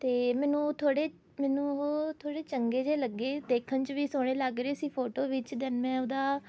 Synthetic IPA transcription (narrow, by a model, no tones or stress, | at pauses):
t̪eːmɛːnũːt̪ʰoːɽeː | mɛːnũːoːt̪ʰoːɽeːt͡ʃəŋɡeːd͡ʒeːləɡːeːd̪eːkʰənt͡ʃʋiːsʊɽ̃eːləɡɾeːsiːpʰoːʈoːʋɪt͡ʃd̪ɪnmɛ̃ːʊd̪aː